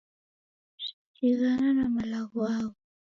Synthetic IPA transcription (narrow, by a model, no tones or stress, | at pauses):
si̥tiɣananamalaɣɔaɣɔ